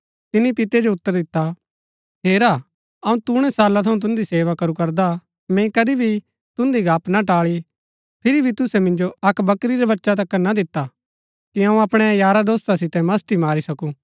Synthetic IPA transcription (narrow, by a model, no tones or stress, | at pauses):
t̪ɪnipɪt̪ed͡ʒoʊt̪ːəɾd̪ɪt̪ːa | ɦeːɾaː | ɐũt̪uɽ̃ɛsaːlat̪ʰɐũt̪̬ʊ̃nd̪iseːʋakɐɾukɐɾd̪a | mɛ̃kɐd̪ibʱi | t̪ʊ̃nd̪iɡʱaːpnaʈaːɭi | pʰɪɾibʱit̪ʊsɛmɪ̃nd͡ʒoɐkbɐkɾiɾɛbɐtːʃat̪̬ɐkːɐnad̪ɪt̪ːa | kiɐ̃ũɐpɽ̃ɛjaːɾad̪oːst̪asɪt̪ɛmɐst̪imaːɾisɐkuː